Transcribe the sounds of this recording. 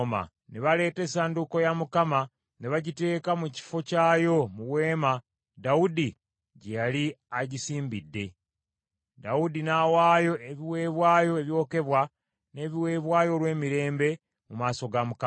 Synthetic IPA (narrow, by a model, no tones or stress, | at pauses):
ma̰ | neβale̞ːte̞ːsaːnduko̞jamukama | ne̞βaɟite̞ːkamuci̥fo̞caːjo̞muwe̞ːma | daudi | ɟejaliaɟisiːmbidːe̞ | daudinawaːjo̞eβiwe̞ːβwaːjo̞βjo̞ːke̞βwa | ne̞ːβiwe̞ːβwaːjolwe̞ːmiɾe̞ːmbe̞ | mumaːso̞ɡamuka